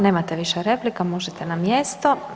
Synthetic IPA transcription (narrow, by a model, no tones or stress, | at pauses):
neːmat̪ɛʋiʃɛɾeplikamoʒɛt̪ɛnamjest̪o